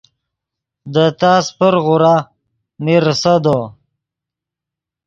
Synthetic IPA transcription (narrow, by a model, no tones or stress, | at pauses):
d̪ət̪aːspəɾɣuɾa | miɾsəd̪o